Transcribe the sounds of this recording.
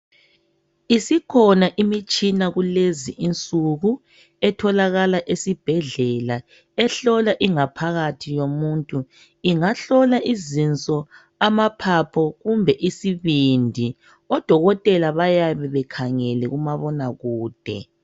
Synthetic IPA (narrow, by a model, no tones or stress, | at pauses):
isikʰɔnaʔimit͡ʃʼinaɣuleziʔint͡sʼuɣu | ɛtʰɔlaɣalaʔesib̥ʱɛɮɛla | ɛɬɔlaʔiŋapʰaɣatʰijomuntʼu | iŋaɬɔlaʔizint͡sʼɔ | amapʰapʰɔɣumbʱɛʔisiβindʱi | ɔd̥ʱɔɣɔtʼɛlaβajaβɛβɛkʰaŋɛlɛɣumaβɔnaɣuːd̥ʱɛ̰